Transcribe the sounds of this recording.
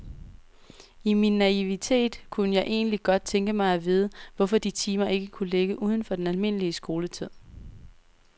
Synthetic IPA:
iminːæiʋit͡sʰe̝̰ːd̥kʰunəjɑ̈ɪʔe̝̰ːnliɡ̥ɒ̽d̥̚t͡sʰeŋɡ̥əmɑ̈ɪɒʋið̞ˠəʋɒ̽fɒ̽d̥it͡sʰiːmɐʔe̝ɡ̥əkʰuleɡ̥əʔuːð̞ˠən̩fɒ̽d̥enælme̝n̰əliəsɡ̥o̝ːlət͡sʰið̰ˠ

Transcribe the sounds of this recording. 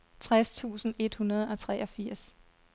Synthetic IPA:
t͡sʰʁast͡sʰṵːsn̩e̝d̥hunɐð̞ˠɒ̽t͡sʰʁɛ̰ʔɒ̽fiɐ̰s

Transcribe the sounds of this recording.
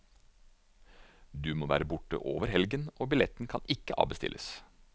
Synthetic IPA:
d̪ʉːmoːʋæ̰ːɾəbʊʈə̰ʔoːʋəɾhɛlɡənoːbɪlɛt̪n̩kʰɑnɪkːəʔɑ̰ːʋbəst̪ɪ̰lʔəs

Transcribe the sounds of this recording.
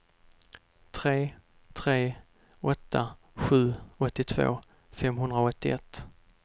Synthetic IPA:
t̪ʰɾeː | t̪ʰɾeː | ɔt̪ːa | ɧʉ̟ːɔt̪ːɪt̪ʰvo̰ː | fɛmɦɵnd̪ɾaɔt̪ːɪɛt̪ː

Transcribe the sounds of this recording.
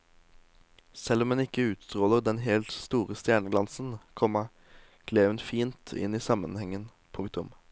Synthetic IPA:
sɛlːɔmɛnɪkəʉːt̪st̪ʁoːləʁd̪ɛnɦɛlt̪st̪uːʁəst̪jæːɳəɡlɑnsn̩kʰɔmːə | ɡ̥leːʋənfiːnt̪ʰɪ̰niːsɑmə̰nhɛŋːən | pʰʊŋk̚t̪ʊm

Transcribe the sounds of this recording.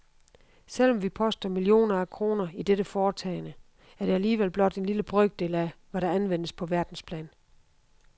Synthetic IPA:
sel̰ɒ̽mʋipʰɒ̽sd̥ɐmilio̝̰ːnɐækʰʁo̝ːnɐid̥eɾ̥əfɒːt͡sʰɛ̰ɪnə | æɐɾ̥e̝æliːʋel̰b̥lɒ̽d̥e̝nliləb̥ʁœɡ̥̚d̥e̝læʋæɾ̥ɑ̈ænʋen̰əspʰɒ̽ʋæɐd̥n̩spʰlɛ̰ːn

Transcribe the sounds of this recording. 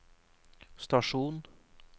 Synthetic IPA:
st̪ɑʂuːn

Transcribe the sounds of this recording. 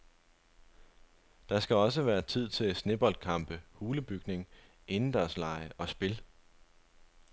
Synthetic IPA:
d̥ɑ̈sɡ̥æɒ̽s̬əʋæːɐt͡sʰið̞̰ˠt͡sʰe̝lsne̝b̥ɒ̽l̰d̥̚kʰɑ̈m̰b̥əhuːləb̥yɡ̥ne̝ŋ | e̝nn̩d̥æɐslɑ̈ɪəʔɒ̽sb̥e̝l

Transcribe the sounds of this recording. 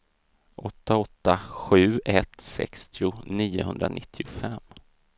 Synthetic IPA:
ʔɔt̪ːaɔt̪ːaɧʉ̟ːɛt̪sɛ̰kst̪ʰɪʊniːʊhɵnd̪ɾanɪt̪ʰːɪʊfɛmː

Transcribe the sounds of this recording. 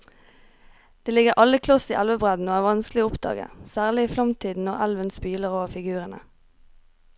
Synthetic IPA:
d̪̥eːlɪɡəʁʔɑləkʰlɔsḭːʔælʋəbʁɛd̪n̩oːæːʋɑnsklɪəʊpd̪ɑ̰ːɡə̰sæːʁlɪiːflɑmt̪ʰiːd̪n̩ɔʁæ̰lʋənspyːləʁoːʋəfɪɡʉːʁənə̰

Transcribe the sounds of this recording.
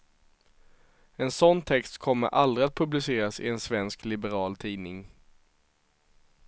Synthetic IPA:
ɛnsɔnːt̪ʰɛkst̪kʰɔmːə̰ɾʔald̪ɾɪat̪̚pʰɵblɪseːɾasɪ̰ɛnsvɛnsklɪbɛɾɑːlt̪ʰiːnɪŋ

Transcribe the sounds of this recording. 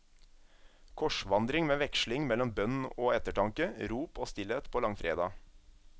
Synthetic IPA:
kʰɔʃʋɑnd̪ɾɪŋmeːʋɛkʃlɪŋmɛlɔmbœnn̩oːɛt̪əʈɑŋkəɾuːpoːst̪ɪlet̪pʰoːlɑŋfɾḛːd̪ɑ̰ː

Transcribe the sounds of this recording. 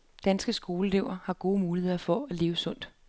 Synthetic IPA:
d̥ænsɡ̥əsɡ̥o̝ːləleʊ̰ɐhɑ̈ɡ̥o̝ːmuːlihe̝ð̰ˠɐfɒ̽æle̝ːʊəsɔ̽n̰d̥

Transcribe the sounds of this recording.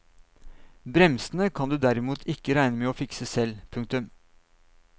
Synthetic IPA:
bɾɛmsnəkʰɑnd̪ʉːd̪æɾɪmuːt̪ʰɪkːəɾæɪnəmeːoːfɪksəsɛlpʰʉŋkt̪ʉm

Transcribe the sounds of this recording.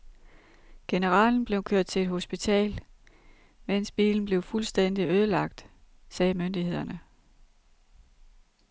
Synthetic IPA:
ɡ̥e̝nəʁɑ̰̈ːln̩b̥le̝ʊkʰøɐ̰d̥̚t͡sʰe̝le̝d̥ɦo̝sb̥it͡sʰɛ̰ːl | men̰sb̥ḭːln̩ble̝ʊfulsd̥en̰d̥iøð̞ˠəlɑ̈ɡ̥̚d̥ | sɛːmønd̥ihe̝ð̞̰ˠɐnə

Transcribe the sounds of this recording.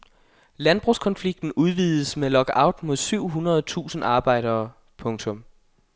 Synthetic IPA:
lænb̥ʁuskʰɒ̽nfliɡ̥̚d̥n̩uð̞ˠʋiːðˠəsmelɒ̽ɡ̥ɑ̈ʊd̥mo̝ð̞ˠsyʊ̰ɦunɐð̞ˠt͡sʰṵːsn̩ɑ̈ːb̥ɑ̈ɪ̰ɾ̥ɐː | pʰɔ̽ŋt͡sʰɔ̽m

